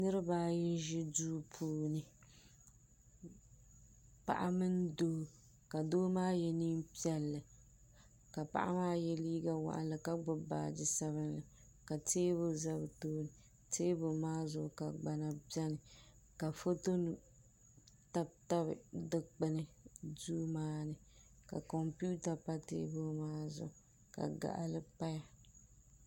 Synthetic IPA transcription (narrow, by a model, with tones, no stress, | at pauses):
nɨ˦ɾɨ˦baː˦jɪ˦n˦ʒɪ˦duː˦pʰuː˦nɨ˨ | pa̰˨ʔa˦mɨ˦n˦doː˦ | ka˨doː˦maː˦jɛ˦˨ni˦mpi˦ɛ˦lːɨ˨ | ka˨pa̰˨ʔa̰˦maː˦jɛ˦liː˦ɡa˦wa̰˨ʔa̰˦lɨ˨ka˦ɡ͡bʊ˦ba̰ː˨dɪ˨sa˦βɨ˦nlɨ˨ | ka˨tʰeː˦bʊ˦za˦bɨ˨toː˦nɨ˨ | teː˦bʊ˨maː˦zʊ˨ka˨ɡ͡ba˨na˨bjɛ˦nɨ˨ | ka˨fo˦to˦n˦ | ta˦bta˦βɨ̰˨dɨ˦k͡pɨ˦nɨ˦duː˦maː˦nɨ˨ka̰˨kɔ˨mpu˦ta˨pa˦tḛː˦bo˦maː˦zʊ̰˨ | ka̰˨ɡa̰˨ʔa˨lɨ˦pa˦ja˦